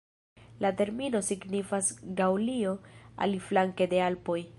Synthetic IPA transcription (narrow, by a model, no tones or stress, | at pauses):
late̞ɾmino̞siɡnifasɡawlio̞a̰liflaŋke̞de̞alpo̞j